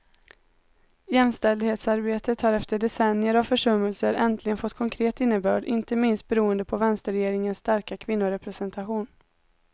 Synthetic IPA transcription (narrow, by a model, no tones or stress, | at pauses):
jɛmst̪ɛld̪heːt̪saɾbeːt̪ət̪haɾɛft̪əɖɛsɛnːjəɾavfœʂɵmːəlsəɾʔɛnt̪ʰlɪɡənfɔt̪ːkʰɔŋkʰɾeːt̪ɪnːəbœːɖɪ̰nt̪əmɪnst̪̚bɛɾuːənd̪əpʰɔvɛnst̪əɾɛjeːɾɪŋənsːt̪aɾkakʰvɪnːʊɾɛpɾɛsɛnt̪ʰaɧuːn